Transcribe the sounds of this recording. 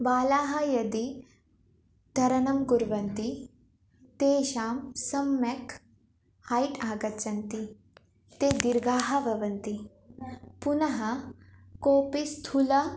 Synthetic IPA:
baːlaːɦɐjɐd̪i | d̪ʱɐɾɐnɐmɡuɾʋɐnt̪i | t̪eːʃaːmsɐmːɐk | hajʈaːɡɐt͡ʃɐnt̪i | t̪eːd̪iɾɡaːɦɐbʱɐʋɐnt̪i | punɐɦɐkoːpist̪ʰulɐ

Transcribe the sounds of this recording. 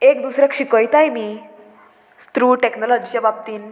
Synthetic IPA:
ekd̪usɾjakɕikəjt̪ajmi | st̪ɾuːʈeknɔlɔd͡ʑit͡ɕababt̪iːn

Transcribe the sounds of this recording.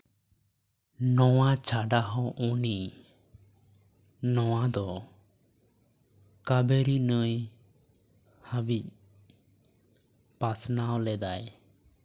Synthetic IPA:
nɔwat͡ʃʰaɖaɦɔ̃ʔuniʔ | nɔwad̪ɔ | kabɛɾinəj | habic̚ | pasnawlɛd̪aj

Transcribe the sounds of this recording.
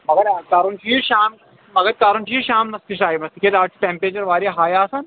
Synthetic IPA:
mɐɡɐɾkaːɾunt͡ʃʰiːʃaːm | mɐɡɐd̪̚kaːɾunt͡ʃʰiʃaːmnɐsk̪iʃaːjimɐst̪iked̪aːt͡ʃʰi̥ʈẽːmpɾeːt͡ʃɐɾʋaːɾijaɦaːjaːsɐn

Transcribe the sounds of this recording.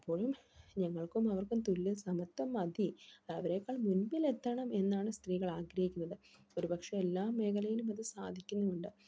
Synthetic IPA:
ɐpːo̞ːɻumɲɐŋːɐɭkumɐʋɐrkumt̪ulːɨsɐmɐt̪ːɐmɐd̪ʱiɐɐʋɐɾe̞ːkːaːɭmunmile̞t̪ːɐɳɐme̞nːaːɳɨst̪riːɣɐɭaːɡɾɐhikʲːunːɐðɨ | o̞ɾubɐkʂɐelːaːmːe̞ːkʰɐlɐjilumɐðɨsaːd̪ʱikʲːunːuuɳɖɨ

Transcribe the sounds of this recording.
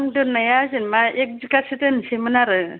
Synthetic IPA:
ŋdɯnajazɯnmaek̚d͡ʒikasetɯnsemɯnaɾɯ

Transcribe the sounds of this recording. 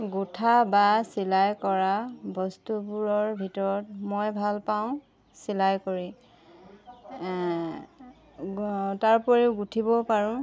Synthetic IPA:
ɡutʰabasilajkɔɹabɔstupuɹɔɹbʱitɔɹɔtmojbʱalpaʊ̃ | silajkoɹi | taɹpɔɹiʊɡutʰibɔpaɹʊ̃

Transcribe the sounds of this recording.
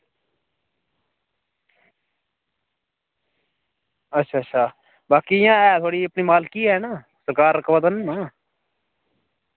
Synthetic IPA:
ətːʃʰaːətːʃʰaː | baːkiːjãːɛːt̪ʰoːɽiːəpniːmaːlkiːɦɛːnaː | səɾkaːɾəkbəd̪ənːãː

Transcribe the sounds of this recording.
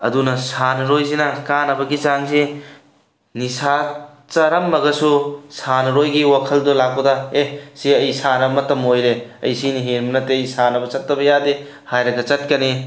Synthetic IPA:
ɐ̰dunɐsanɐɾojzinɐkanɐbɐɡizaŋzi | nisa | t͡ʃɐɾɐmːɐɡɐsusanɐɾojɡiwakʰɐldolak̚pɐdɐesiɐjsanɐbɐmɐtɐmojɾeɐ̰jsiniɦenmɐnɐtːeɐjsanɐbɐt͡ʃɐtːɐbɐjade | hajɾɐɡɐt͡ʃɐt̚kɐni

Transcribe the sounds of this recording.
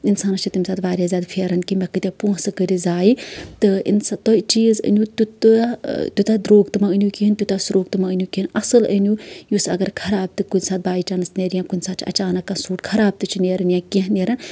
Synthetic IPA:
insaːnɐt͡ʃʰit̪imʲsaːt̪baːɾʲjaːzʲjaːd̪pʰeːɾɐnkimekɨt̪ʲepuːɦsɨkəɾizaːjit̪ɨḭnsat̪oit͡ʃiːzə̰nʲut̪ut̪t̪ut̪ad̪ɾoːɡt̪ɨmaənʲjukiɦint̪ut̪asuɾoːɡ̚t̪ɨmaənʲjukʲiinɐsɨlənʲujusɐ̰ɡɐɾkʰɐɾaːb̚t̪ɨkunʲsaːt̪̚baːjit͡ʃɐnɨsneɾjãkunʲsaːt̪t͡ʃʰɐ̰t͡ʃaːnɐkːasuːʈkʰɐɾaːb̚t̪ɨt͡ʃʰineːɾɨnjãːkeɦneɾɐn

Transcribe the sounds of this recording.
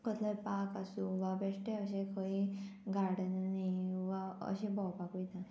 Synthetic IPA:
kət̪ʰləpakasũʋabesʈeəɕẽkʰəĩɡʱaɽənnaʋaə̰ɕẽbɔwpakujt̪a

